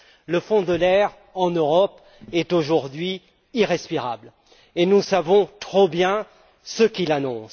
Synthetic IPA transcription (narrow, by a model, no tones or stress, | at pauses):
ləfɔ̃d̪əlɛʁ | ɑ̃nøʁɔp | ɛt̪oʒuʁd̪ɥi | iʁɛspiʁabl | enusavɔ̃t̪χobjɛ̃ | səkʲilanɔ̃s